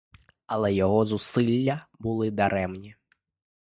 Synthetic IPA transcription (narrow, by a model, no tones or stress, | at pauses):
ɐlˠɛjɔɦɔzusɪlʲːɐbʊlˠɪd̪ɐɾɛmnʲi